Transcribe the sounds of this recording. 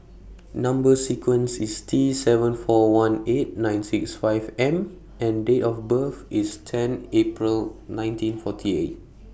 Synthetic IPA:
nãmbəsikʰwə̃nsistʰɹisɛvə̃nfɔwãnet̚nãjnsiksfaɪvɛ̃m | ɛ̃ndeʔɔfbəfistʰɛ̃nepɹilnãj̃ntĩnfɔtʰiḛt̚

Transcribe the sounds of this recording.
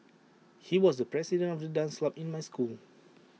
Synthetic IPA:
hiwɔsdəpɹɛsidə̃ntɔfdədãnslapĩnmajskul

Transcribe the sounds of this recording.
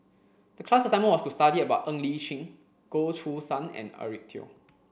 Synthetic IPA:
d̥əkʰlasəsãɪmə̃nwɔstustadiəbaʊtə̃ŋliʃĩŋ | ɡ̥otʰusãnɛ̰̃nə̰ɹik̚tʰḭ

